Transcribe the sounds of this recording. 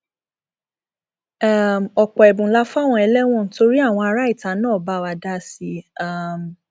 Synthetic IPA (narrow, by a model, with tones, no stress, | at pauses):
a˦˨mɔ˨k͡pɔ˨ɛ˨bũ˨˦la˦fa˦˨w̃ɔ̃˧ɛ˧lɛ˦w̃ɔ̃˦˨to˧ɾi˦a˦˨w̃ɔ̃˧a˧ɾa˦i˦˨ta˨˦nãː˦˨ba˦wa˧da˦si˧˦a˦˨m